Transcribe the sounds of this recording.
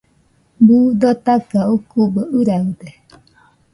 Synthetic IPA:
bud̪ot̪akaukubəʔɯɾaɯd̪e

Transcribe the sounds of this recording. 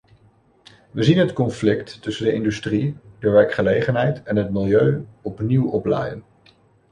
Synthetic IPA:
ʋəzinɦətkɔnflɪktːɵsəndəɪndystridəʋɛɹkχəlejχənɦɛjtɛnɦətmɪlˠjøɥɔpniwɔplɛ̰jən

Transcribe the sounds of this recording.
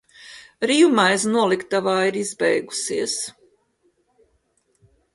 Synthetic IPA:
ɾiumajs̬nuɔlˠikt̪avaːiɾizbɛ̰jɡu̥siəs

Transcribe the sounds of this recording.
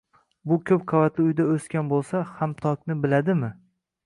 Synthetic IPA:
bʊkʲʰɵp̚qʰɑvat̪lɪʊjd̪aɵskʲanbolˠsahamt̪ʰɒkʲnɪbɪlad̪ɪmɪ

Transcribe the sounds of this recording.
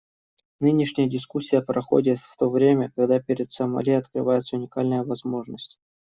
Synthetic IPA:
nɨnʲɪʂnʲɪjədʲɪskusʲːɪjəpɾɐxo̞̰dʲɪt̪ft̪o̞vɾʲemʲəkɐɡd̪apʲɪɾʲɪt̪səmɐ̰lʲeɐt̪kɾɨvajɪt̪səʊnʲɪkalʲnɨjəvɐzmo̞ʐnəsʲtʲ

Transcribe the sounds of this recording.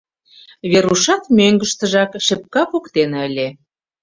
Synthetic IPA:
βeɾuʃɑt̪møŋɡə̆ʃt̪ə̆ʒɑkʃɘ̆p̚kɑpukt̪enə̆lʲe

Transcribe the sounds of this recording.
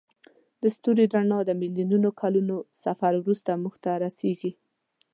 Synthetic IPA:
d̪əst̪uɾid̪ɾanɑd̪əmɪljununokʰalunosafaɾwɾust̪amuxt̪aɾaseɡi

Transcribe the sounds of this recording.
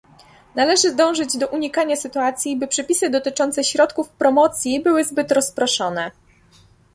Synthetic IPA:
nalɛʐɘzd̪ɔ̃w̃ʐɘd͡ʑd̪ɔʔuɲikaɲasɘt̪uat̪sʲjibɘpʂɛpʲisɘd̪ɔt̪ɘt͡ʂɔnt̪sɛɕɾɔt̪kufpɾɔmɔt̪sʲjibɘwɘzbɘt̪ɾɔspɾɔʂɔnɛ

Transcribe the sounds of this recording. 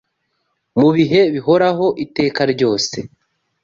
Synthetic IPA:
muβiɦe̞βiɦo̞ɾaɦo̞ʔite̞ːkaɾɟo̞ːse̞̰

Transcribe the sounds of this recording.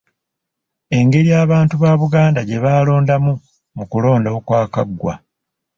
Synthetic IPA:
e̞ŋɡe̞ɾijaːβaːntuβaːβuɡaːndaɟe̞βaːlo̞ːndamu | mukulo̞ːndaokwaːkaɡːwa̰

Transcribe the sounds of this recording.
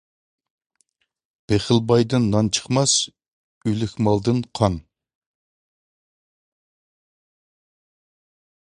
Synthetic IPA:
b̥eχɪlˠbɑjd̪ɨnːɑnt͡ʃʰə̥χmɑs | ylɪkʲmɑlˠd̪ɨnqʰɑn

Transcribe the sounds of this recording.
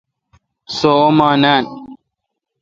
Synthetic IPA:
soomaːnaːn

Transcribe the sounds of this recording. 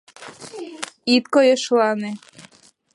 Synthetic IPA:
it̪̚kojɤʃlɑne

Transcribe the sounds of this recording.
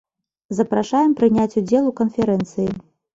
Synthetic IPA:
zɐpɾaʂajɛmpɾɨnʲat͡sʲud͡zʲɛlˠukɐnfʲɛɾɛnt̪sɨji

